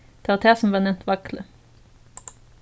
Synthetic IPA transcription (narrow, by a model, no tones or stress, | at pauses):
t̪ʰɑʁɑt̪ʰeːsn̩ʋɑːnɛmt̪ʰʋɑklə